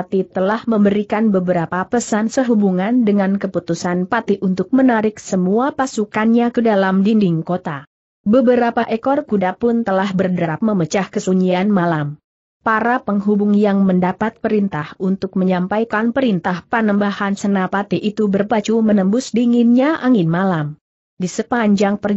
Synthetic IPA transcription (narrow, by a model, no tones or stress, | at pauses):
at̪it̪əlahməmbəɾikanbəbəɾapapəsansəɦubuŋandəŋankəput̪usanpat̪iʔunt̪ʊk̚mənaɾɪk̚səmuapasukanɲakədalamdindɪŋkot̪a | bəbəɾapaʔəkɔrkudapʊnt̪əlahbərdəɾap̚məmət͡ʃahkəsuɲianmalam | paɾapəŋɦubʊŋjaŋməndapat̪̚pəɾint̪ahunt̪ʊk̚məɲampajkanpəɾint̪ahpənəmbahansənapat̪iʔit̪ubərbat͡ʃumənəmbʊsdiŋɪnɲaʔaŋɪnmalam | disəpaɲd͡ʒaŋpər